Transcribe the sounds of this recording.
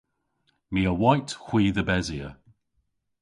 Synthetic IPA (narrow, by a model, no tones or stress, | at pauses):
miəwajthw̥iːðəbɛziə̰